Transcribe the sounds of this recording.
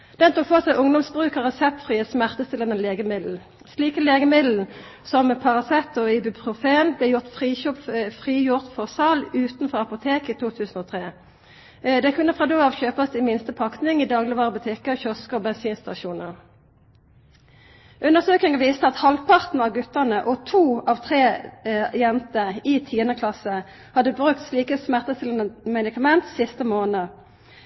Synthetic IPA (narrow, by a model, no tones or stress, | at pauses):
d̪̥ɛnt̪ʰʊkfɔʁsæɪʔʊŋd̪ɔmsbʁʉːkəʁɛsɛp̚t̪fʁiːəsmæʁt̪əst̪ɪlənɛleːɡəmɪd̪l̩ | sliːkəleːɡəmɪd̪l̩n̩ | sɔmpʰɑʁɑsɛt̪ːʊɪbɪpʰʁʊfeːnblɛːjʊʁt̪fʁiːɔpfʁiːjʊʁt̪fɔʁsɑːlʉːt̪n̩fɔʁɑpʊt̪ʰeːkiːt̪ʰuːt̪ʰʉːsn̩oːt̪ʰʁeː | d̪ɛkʰʉnːəfʁɑːd̪øːɑʋçøːpəsd̪iːmɪnst̪əpʰɑk̪nɪŋiːd̪ɑːɡlɪʋɑːʁəbʉt̪ʰɪkəçɔskəɔːbɛnsiːnst̪ɑʃuːnəʁ | ʔʉnəʁsøːknɪŋəʋiːst̪əɑt̪hɑlpʰɑʁt̪n̩ɑʋɡʉt̪əʁnəʔɔt̪ʰuːɑːʋt̪ʰʁeːjɛnt̪əiːt̪ʰiːənəkʰlɑsə | hɑd̪əbʁʉkt̪sliːkəsmæʁt̪əst̪ɪləmɛd̪ɪkɑmɛnt̪sɪst̪əmoːnə